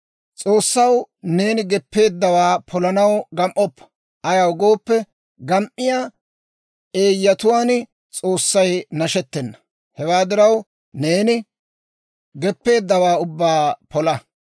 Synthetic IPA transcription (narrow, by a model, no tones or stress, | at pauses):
t͡sʼo̞ːsːɐwne̞ːnɪɡɛpːe̞ːd̪ːɐwaːpʰɔlɐnɐwɡɐmʔɔpːɐ̥ | ʔɐjɐwɡo̞ːpːɛ | ɡɐmʔɪjaː | eːjːɐt̪ʊwaːn | t͡sʼoːsːɐjnɐʃɛt̪ːɛnːɐ̥ | hɛwaːd̪ɪɾɐw | ne̞ːnɪ | ɡɛpːe̞ːd̪ːɐwaːʊbːaːpɔlɐ